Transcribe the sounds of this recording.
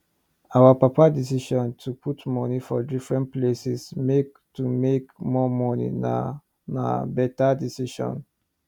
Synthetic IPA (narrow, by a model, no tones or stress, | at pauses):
awapapadis̬iʃɔ̃ntʰupʰutmɔnifɔdifɹɛ̃ntplesismek | tumekmɔmɔnḭ | na̰bɛtadisiʃɔ̰̃n